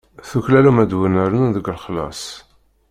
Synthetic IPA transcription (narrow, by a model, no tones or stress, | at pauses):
θuçlælumæd̪wənəɾənðəɡlχlɑ̰sˤ